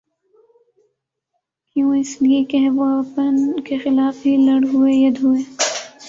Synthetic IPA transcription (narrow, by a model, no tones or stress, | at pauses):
kjũːɪsliekɐɦʋoɐpənkexɪlaːfɦilɐɽɦuejɐd̪ɦueː